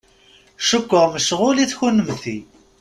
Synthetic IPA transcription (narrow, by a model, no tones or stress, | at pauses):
ʃʊkʷːəʁməʃʁʊliθçunəmθi